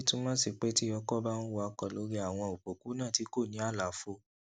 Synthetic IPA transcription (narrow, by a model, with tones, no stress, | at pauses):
tũ˦mãː˦si˧k͡pe˦ti˦ɔ˧kɔ˦ba˦nũ˦wa˧˦kɔ˨lo˨˦ɾi˦a˦˨w̃ɔ̃˧o˨k͡po˨ku˨˦nãː˦˨ti˨˦ko˦˨nĩ˨˦a˦˨la˨˦fo˧